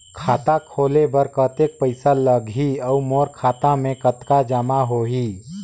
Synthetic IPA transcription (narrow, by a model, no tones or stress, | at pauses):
kʰaːt̪akʰoːlebəɾkət̪ek̚pəɪsaləɡɦiɔʊmoːɾkʰaːt̪amẽkət̪kad͡ʒəmaɦoɦi